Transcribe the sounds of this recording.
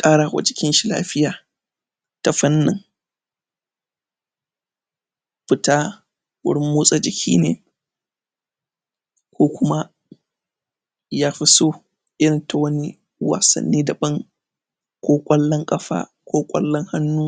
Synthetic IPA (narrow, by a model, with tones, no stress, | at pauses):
kʼaː˦ɽaː˨wɐ̰˨t͡ʃɪ˦kʲɪ˦nʃi˦la̰ː˦ɸɪ˦jaː˨ | ta˨ɸɐ˦nːɪ˨ŋ | ɸɪ˦taː˦ | wʊ̰˦ɽɪ˦mːoː˦sʼa˨d͡ʒɪ˨kʲʰḭː˦nḛː˨ | kʷʰoː˦kʷʊ˦ma˦ | jaː˦ɸi˦soː˦ | ʔɪ˦ɽɪ˨nta˨wɐ˦ni˦ | wa̰ː˨sɐ̰˨nːiː˦dɐ˨bɐ˦ŋ | kʷoː˦kʷʼɐ˦lːɐ˦ŋkʼɐ˦ɸa̰ː˦ | kʷʰoː˦kʷʼɐ̰˦lːɐ˦ŋha˦nːuː˦